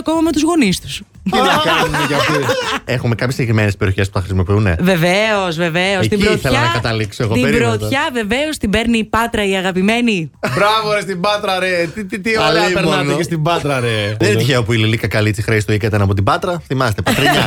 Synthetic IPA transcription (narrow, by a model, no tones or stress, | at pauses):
ɐko̞mɐmet̪uzɣo̞nist̪u̥s | inkɐnunekɐft̪iexume̞kɐpçesːiɟekɾimenespeɾioçe̞spu̥θɐxɾisimo̞piunḛve̞veozve̞veost̪ibɾot̪θelɐnɐkɐt̪ɐliksoeɣoieɾbɾot̪çɐve̞ve̞o̞st̪ibe̞ɾnipɐt̪ɾɐiɐɣɐpime̞nibɾɐvoɾest̪ibɐt̪ɾɐɾet̪it̪it̪iolipeɾmnɐnoest̪ibɐt̪ɾɐɾeðenet̪içeopuililikɐkɐlit͡sixɾeist̪oikɐt̪ɐnɐpo̞t̪̬ibɐt̪ɾɐθimɐst̪epɐt̪ɾɐɲɐ